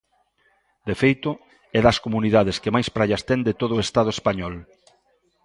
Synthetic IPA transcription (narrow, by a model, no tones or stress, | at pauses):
d̪efejt̪ʊ | ɛðɐskomuniðað̞eskemajspɾaʎɐst̪ɛnd̪et̪oðʊest̪að̞ʊespaɲɔl